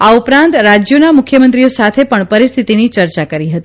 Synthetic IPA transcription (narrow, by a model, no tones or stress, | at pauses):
aupɾãnt̪ɾad͡ʒjonamʊkʰjəmə̃nt̪ɾijosat̪ʰepəɳpəɾist̪ʰit̪init͡ʃəɾt͡ʃakəɾiɦət̪i